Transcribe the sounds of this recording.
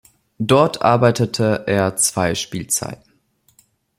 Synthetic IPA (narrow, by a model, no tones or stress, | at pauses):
dɔɐtʰʔa̰ɐbaɪtətʰəʔeːɐt͡sv̥aɪʃpiːlt͡sa̰ɪtn̩